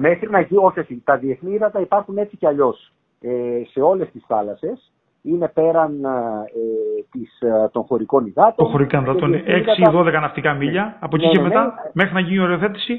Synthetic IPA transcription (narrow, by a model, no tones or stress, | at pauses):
me̞xɾinɐcio̞çosit̪ɐðie̞θniiðɐt̪ɐipɐɾxune̞t͡siceɐʎo̞s | ese̞o̞le̞st̪isθɐlɐse̞s | ine̞pe̞ɾɐnet̪ist̪o̞nxo̞ɾiko̞niɣɐt̪ooxo̞ɾikɐnðɐt̪oneeksiðo̞ðe̞kɐnɐft̪ikɐmiʎɐːpo̞cicemet̪ɐme̞xɾinɐʝinio̞ɾe̞oθe̞t̪i̥si